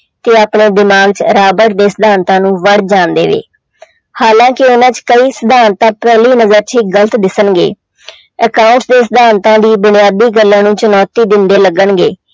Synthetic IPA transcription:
t̪eːaːpɳeːd̪ɪmaːɡt͡ʃɾaːbəʈd̪eːsəd̪ʱaːnt̪ãːnũːʋəɽd͡ʒãːnd̪ḛːʋḛː | haːlãːkɪʊnãːt͡ʃkəiːsəd̪aːnt̪ãːpɛːliːnəzəɾt͡ʃʰiːɡələt̪d̪ɪsənɡḛː | əkaːʊ̃ɳʈsd̪eːsəd̪aːnt̪ãːd̪iːbʊnɪjaːd̪iːɡəlːãːnũːt͡ʃənɔːt̪iːd̪ɪnd̪eːləɡəɳɡḛː

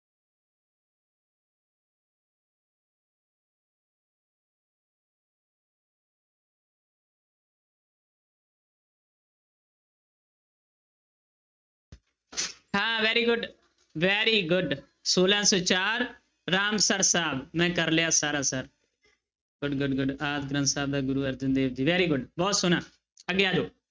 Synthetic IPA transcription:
haːʋɛːɾiːɡʊɖ | ʋɛːɾiːɡʊɖ | soːlãːsoːt͡ʃaːɾː | aːmsəɾsaːbmɛ̃ːkəɾlejaːsaːɾaːsəɾ | ɡ̥ʊɖɡʊɖɡʊɖaːd̪̚ɡɾənsaːb̚d̪aːɡʊɾuːəɾd͡ʒənd̪eːʋd͡ʒiːʋɛːɾiːɡʊɖbɔːt̪sʊnaː | əɡjaːd͡ʒoː

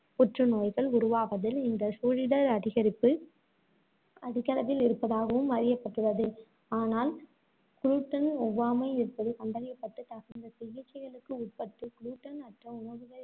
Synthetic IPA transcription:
pɔʈrɯnoːjɣɐɭʊɾʊʋaːʋɐðɪlɪnd̪ɐsuːɻɪɽɐɾɐðɪɣɐɾɪpːɯ | ɐðɪɣɐɾɐʋɪlɪɾɯpːɐðaːɣɐʋɯmʋɐɾɪjɐpːɐʈrɯʋɐðɯ | aːnaːl | kɾuːʈːɐnɔʋːaːmɐɪɪɾɯpːɐðɯkɐɳɖɐɾɪjɐpːɐʈːɯt̪ːɐɣɐnd̪ɐsɪɣɪt͡ʃːɐɪɣɐɭɯkːɯʊʈ̚pɐʈːɯkɾuːʈːɐnɐʈrɐʊnɐʋɯɣɐ

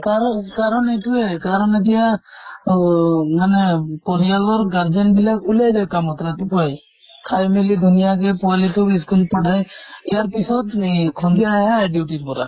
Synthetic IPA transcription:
kaɾɔkaɾɔnetuɛkaɾɔned̪ija | manɛpɔɾijalɔɾɡaɾd͡ʒɔnbilakulajd͡ʒajkamɔt̪ɾat̪ipʰaj | kʰajmilid̪ʱunijaɡɛpɔaliʈukiskulpaʈajijaɾpisɔt̪nkʰɔnd̪iaɦɛajɖiuʈiɾpɔɾa̰

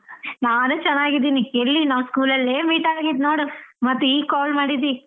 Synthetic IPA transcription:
naːnut͡ʃɛnːaːɡid̪iːnieɭːinaːʋskuːlɐlːeːmiːʈaɾaɡid̪no̞ːɽumɐt̪ːuiːkaːlmaːɽid̪i

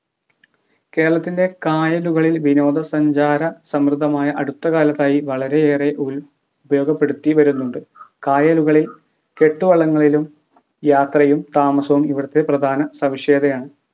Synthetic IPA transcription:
ke̞ːɾɐɭɐt̪ːinde̞kaːjɐluɣɐɭilʋino̞ːd̪ɐsɐɲd͡ʑaːɾɐsɐmrɨd̪ʱːɐmaːjɐʔɐɽut̪ːɐɣaːlɐt̪ːaːjiʋɐɭɐɾe̞eːreʔul | ubɐjo̞ːɡɐpːe̞ɽut̪ːiʋɐɾunːuɳɖɨkaːjɐluɣɐɭil | ke̞ʈːuʋɐɭːɐŋːɐɭilum | jaːt̪rɐjumt̪aːmɐsɐʋumiʋiɽɐt̪ːeprɐd̪ʱaːnɐsɐʋiʂe̞ːd̪ɐjaːɳɨ

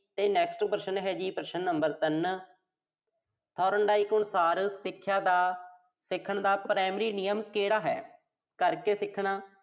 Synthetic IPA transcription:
t̪eːnɛːksʈpəɾʃənɦɛːd͡ʒiːpəɾəʃənːəmbəɾt̪ən | t̪ʰɔːɾəɳɖaːiːkʊɳsaːɾsɪkʰːjaːd̪aː | sɪkʰːəɳd̪aːpɾaːmɾiːnɪjəmkeːɽaːɦɛ̰ː | kəɾkeːsɪkʰɳaː

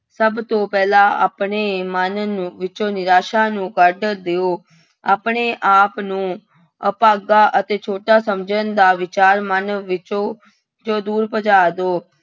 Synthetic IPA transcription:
səbt̪õːpɛːlãːʔa̰ːpɳeːmənʋɪt͡ʃoːnɪɾaːʃaːnũːkəɾɖd̪eːoː | aːpɳeːʔaːpnũː | əpaːɡaːʔət̪eːt͡ʃʰoːʈaːsəmd͡ʒənd̪aːʋɪt͡ʃaːɾmənʋɪt͡ʃoː | d͡ʒoːd̪uːɾpəd͡ʒaːd̪oː

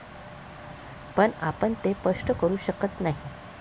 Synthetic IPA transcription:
pəɳapəɳt̪epəʂʈəkəɾuːɕəkət̪naɦi

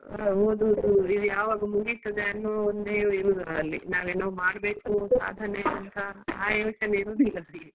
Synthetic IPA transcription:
oːd̪uːd̪uid̪ujaːʋaːɡɐmuɡisʈ̪ɐd͡ʒ̪eɐnːuond̪eːiɾuːd̪ɐɐlːḭnaːʋenɐʋumaːɽbeːkusa̰ːd̪ʱɐneɐnt̪ʰɐaːjɐʋiʃɐneiɾuːd̪ilːɐ

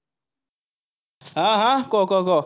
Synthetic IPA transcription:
aɦakɔkɔkɔ

